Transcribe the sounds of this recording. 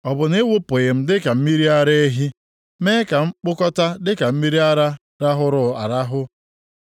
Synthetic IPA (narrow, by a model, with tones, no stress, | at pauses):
ɔ˨bʊ˨ne˦wʊ˦pʊ˨ɣɪ˨m̩˦dɪ˦ka˨m̩˦mi˦ɾi˦a˦ɾe˦e˦ɦi˦ | me˦ka˨ŋ͡m̩˦k͡pʊ˦kɔ˦ta˦dɪ˦ka˨m̩˦mi˦ɾi˦a˦ɾa˦ | ɾa˦ɦʊ˦ɾʊ˨a̰˨ɾa˦ɦʊ˦